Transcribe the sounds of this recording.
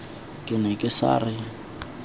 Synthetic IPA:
kʼɪnɛkʼɪsa̰ːrɪ

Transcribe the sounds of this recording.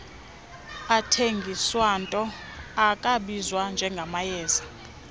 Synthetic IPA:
atʰeŋɡʱiswantʼɔ | akʼaɓizwand͡ʒʱɛŋɡʱamajɛːza

